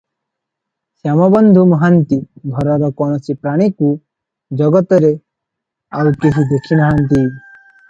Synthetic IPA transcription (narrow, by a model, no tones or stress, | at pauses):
sjamɔbɔnd̪ʱumɔɦant̪iɡʱɔɾɔɾɔkɔɽ̃ɔt͡ʃipɾaɽ̃iku | d͡ʒɔɡɔt̪ɔɾe | awkesid̪okʰːimɔɦant̪̬i